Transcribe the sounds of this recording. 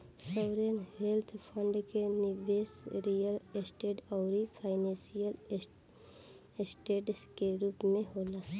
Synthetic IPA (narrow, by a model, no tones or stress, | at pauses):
səwɾənɦelt̪ʰpʰə̃ɳɖkenɪɾʋesɾijəlsʈeːʈɔʊɾipʰaɪnẽsijəl | sʈeːʈskeɾuːpmẽɦola